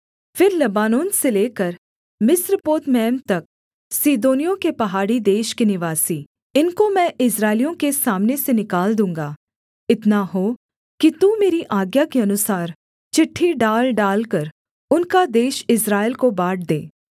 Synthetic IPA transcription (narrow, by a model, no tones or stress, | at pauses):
fɪɾlɐbaːnoːnseleːkəɾ | mɪsɾpoːt̪mɛːmt̪ɐk̚ | siːd̪oːnijõkepɐɦaːɽid̪eːʃkenɪʋaːsi | ɪnkomɛ̃ʔɪs̬ɾaːɪlijõkesaːmnesenɪkaːld̪ũːŋ̆ɡaː | ɪt̪naɦo | kit̪umeːɾiʔaːɡjakeɐnʊsaːɾ | t͡ʃɪʈʰːiɖaːlɖaːlkɐɾ | ʊnkad̪eːʃɪsɾaːelkobaːʈ̚d̪ḛː